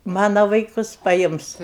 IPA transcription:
ˈmɑːnɐ ʋɐɪˈkʊs pɐˈjɪms

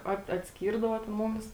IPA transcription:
ˈɐt ɐtʲˈsʲkʲiːrdɐʋoː tʲɛn ˈmʊmʲɪs

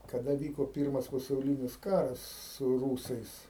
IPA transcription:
kɐˈdɐ ˈʋʲiːkoː ˈpʲiːrmɐs pɐsɐʊˈlʲɪnʲɪs ˈkɑːrɐs sʊ ˈruːsɐɪs

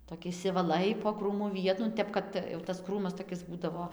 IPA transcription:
toːˈkʲɪ ɪʃʲsʲɪʋɐˈlˠɐɪ poː ˈkruːmʊ ˈʋʲiɛtʊ nʊ ˈtʲɛp kɐt tɐs ˈkruːmɐs toːˈkʲɪs ˈbuːdɐʋoː jɛʊ tɐs ˈkruːmɐs toːˈkʲɪs ˈbuːdɐʋoː

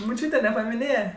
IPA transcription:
mʊˈt͡ʃʲuːtʲɛ nʲɛpɐmʲɪˈnʲeːjɛ

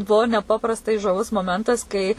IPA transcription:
ˈbuɔ nʲɛˈpɑːprɐstɐɪ ʒɐˈʋʊs moːˈmʲɛntɐs kɐɪ

